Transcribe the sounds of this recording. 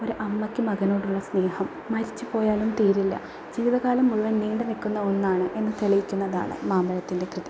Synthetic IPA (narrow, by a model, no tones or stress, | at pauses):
o̞ɾuʔɐmːɐkʲːɨmɐɣɐno̞ːɽuɭːɐsne̞ːhɐmːɐɾit͡ɕːupo̞ːjaːlumt̪iːɾilːɐ̰ | d͡ʑiːʋiðɐɣaːlɐmːuɻuʋɐniːɳɖɨnikːunːɐo̞nːaːɳɨʔe̞nːɨt̪eɭijikʲːunːɐða̰ːɳɨ̰maːmbɐlɐt̪ːinde̞krɨði